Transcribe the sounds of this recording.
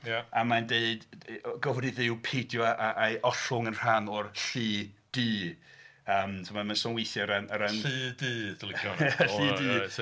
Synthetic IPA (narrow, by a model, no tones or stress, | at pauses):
jaamandeɨdɡɔvriðɪwpʰejdjɔʔaʔaʔɔɬʊŋənr̥anɔrɬiː | d̥iː | əːmtʰmamansɔnwejθjɔɾanaɾaniːdiːdlˠkɔnjaɬiːdi